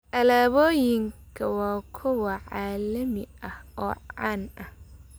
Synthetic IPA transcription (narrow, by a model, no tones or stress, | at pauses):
ʔɐlaːβoːjɪŋkʰɐwɑːkʰɔwɐʕaːlɐmɪɐhɔːʕa̰ːnɐh